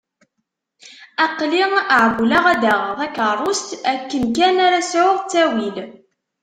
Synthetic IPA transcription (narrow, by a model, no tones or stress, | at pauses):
ɑqliəʕɡulaʁæd̪æʁəðˤækəɾˤost̪ækːənkænaɾasʕʊʁt͡sːæwil